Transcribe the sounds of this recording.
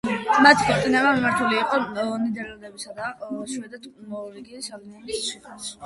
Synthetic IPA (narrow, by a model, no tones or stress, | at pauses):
mat̪ʰi̥kʰɔt̪ʼinɛbamimaɾt̪ʰuliːqʼɔɔnid̪ɛɾɛlˠd̪ɛbisad̪aʃwɛd̪ɛt̪ʰmɔɾiɡiʃalinɛnisʃik̪ʰas